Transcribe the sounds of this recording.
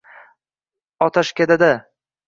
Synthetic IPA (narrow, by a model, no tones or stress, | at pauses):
ɒt̪ʰaʃkʲad̪ad̪a